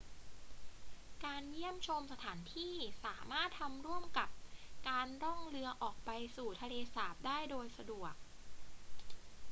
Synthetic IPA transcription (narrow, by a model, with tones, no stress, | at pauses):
kaː˧nji˥˩əmt͡ɕʰo˧msa˧t̪ʰaː˩˦nt̪ʰiː˥˩saː˩˦maː˥˩t̪ʰːa˧mɾu˥˩əmka˨˩p̚kaː˧nɾɔ˥˩ŋɾɯ˧ɐʔɔː˨˩k̚pa˧jsuː˨˩t̪ʰa˧leː˧saː˨˩p̚daː˥˩jdoː˧jsa˧du˨˩ək̚